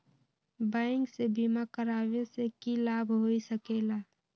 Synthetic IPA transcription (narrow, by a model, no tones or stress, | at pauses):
baɪŋksebimakəɾabesekilabʱɦoisəkela